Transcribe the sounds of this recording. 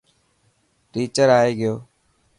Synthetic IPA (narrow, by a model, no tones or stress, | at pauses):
ʈiːt͡ʃəɾaːeːɡɪjoː